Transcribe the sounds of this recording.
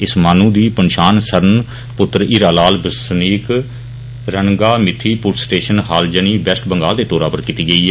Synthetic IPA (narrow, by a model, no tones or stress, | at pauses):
ɪsmaːnũːd̪iːpənʃaːnsəɾn | pʊt̪ːɾiːɾaːlaːlbəsniːk | ɾənɡaːmɪt̪ʰːiːpʊʈsʈeːʃənɦaːld͡ʒəniːbɛsʈbəŋɡaːld̪eːt̪oːɾaːpəɾkɪt̪iːɡəiːɛː